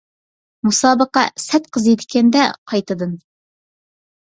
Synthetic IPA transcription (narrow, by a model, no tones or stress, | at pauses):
musɑːbəqːɑsɛt̪̚qʰəzjet̪ɪkʲɛnd̪ɛqʰɑjt̪ɨd̪ɨn